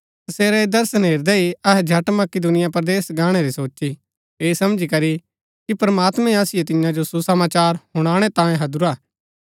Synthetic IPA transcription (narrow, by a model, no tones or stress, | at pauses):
tɐseːɾed̪ɐɾsənɦeːɾd̪ɛiɐɦɛd͡ʒʱɐʈmɐkɪd̪ʊnɪjapɾɐd̪eːsɡãːɽ̃eɾisoːt͡ʃi | eːsɐmd͡ʒikɐɾi | kipɾɐmaːt̪mẽaːsɪjet̪ɪ̃jãd͡ʒosusɐmaːt͡ʃaːɾhʊɽ̃aːɽ̃et̪ãːẽɦɐd̪uɾaː